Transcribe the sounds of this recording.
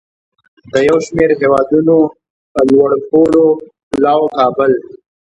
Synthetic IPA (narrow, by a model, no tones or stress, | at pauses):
d̪əjawʃmeɾɦewɑd̪uno | pəlwaɽpoloplɑwokɑːbɪl